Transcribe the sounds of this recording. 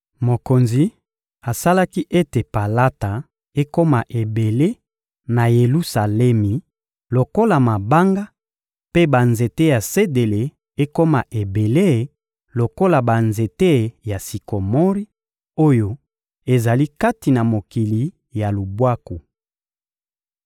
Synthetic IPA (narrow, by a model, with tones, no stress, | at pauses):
mo˨ko˨nzi˨ | a˨sa˦la˦ki˦ʔe˦te˨pa˨la˦ta˨ | e˦ko˦ma˨ʔe˨be˨le˦ | na˨je˨lu˦sa˨lɛ˦mi˨ | lo˨ko˦la˨ma˨ba˦ŋɡa˦ | pe˦ba˨nze˨te˦ja˨se˦de˨le˨ | e˦ko˦ma˨ʔe˨be˨le˦˨ | lo˨ko˦la˨ba˨nze˨te˦˨ja˨si˨ko˨mɔ˦ʁi˦ | o˦jo˦ | e˨za˨li˦ka˦ti˨na˨mo˨ki˨li˨ | ja˨lu˨bwa˦ku˨